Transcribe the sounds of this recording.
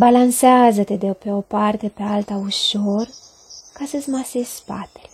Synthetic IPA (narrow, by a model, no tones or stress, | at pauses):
balanseazət̪ed̪epeopart̪e̞pealt̪auʃor | kasəsmasesspa̰t̪elʲ